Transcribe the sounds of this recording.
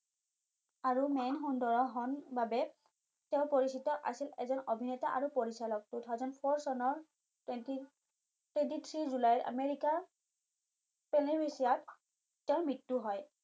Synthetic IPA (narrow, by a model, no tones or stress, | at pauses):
aɹumɛnxundɔɹɔɦɔnbabɛ | tɛʊ̃poɹisitɔʔa̰silɛ̰zɔnobʱinɛtaʔaɹupoɹisalɔk̚tujtʰawzɔnpʰɔɹsɔnɔɹ | tni | twɛntit̪ʰɹizulajɹʔa̰meɹika | pɛnibesijat | tɛʊ̃mɹitːuɦɔj